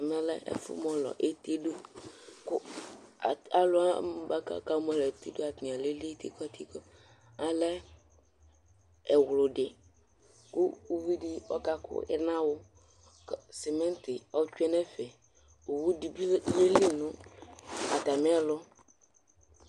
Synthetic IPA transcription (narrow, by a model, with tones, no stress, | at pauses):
mɛ̃˦lɛ̰˦ɛ̰˦fʊ̰˦mɔ̃˦lɔ̰˨ʔe˦t̪e˦do˦kʊ˦˨ | a˦lʊ˦a˦ba˦ka̰˦ka˦mɔ˦lɔ˨e˨t̪i˦do˦a˨t̪nĩ˨a˨le˦li˦t̪ḭ˦kɔ˦t̪ʰi˦kɔ˦ | a˨lɛ˦ | ɛ˨wlʊ˨ɖɪ˨ | kʊ˦u˦vi˦di˦ɔ̰˦ka˦kʊ̰˦ɛ̰˦nã˦wʊ˦˨ | se˨mɛ̃˦n˦t̪ɪ˨ɔ˦t͡ʃu˦ɛ˦nɛ˦fɛ˨ | o˨wu˦di˨bi˦le˦li˦nʊ̃˦ | a˨t̪a˨me˦a˦lʊ˦